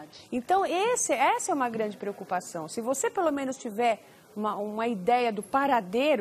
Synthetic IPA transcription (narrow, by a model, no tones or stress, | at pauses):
ẽt̪ɐ̃w̃esɪɛsɐɛũmɐɡɾɐ̃d͡ʒɪpɾeokupasɐ̃w̃sɪvosepelomẽnʊst͡ʃivɛɾ | ũmɐũmɐid̪ɛjɐd̪ʊpaɾad̪eɾ